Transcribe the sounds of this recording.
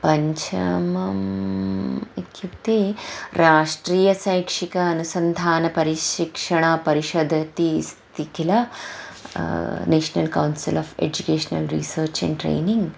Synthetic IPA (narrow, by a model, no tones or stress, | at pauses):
pɐɲt͡ʃʰɐmɐm | ikjut̪eːɾaːʂʈɾiːjɐsajkʂikɐːnusɐnd̪ʱaːnɐpɐɾiʃikʂɐɳ̃ɐpɐɾiʃod̪ʱɐt̪ist̪ikʰila | neːʃnɐlka̰wnsilɔːfḛd͡ʑukeːʃnɐ̰lɾḭːsəːɾt͡ʃɛ̰̃ɳʈɾḛːniŋɡ